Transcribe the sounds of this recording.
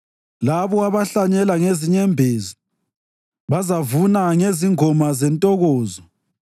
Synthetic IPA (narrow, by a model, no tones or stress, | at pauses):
laβɔaβaɬaɲɛlaŋeziɲɛmbʱeːzi | βazavunaŋeziŋɔmazɛntʼɔɣɔːzɔ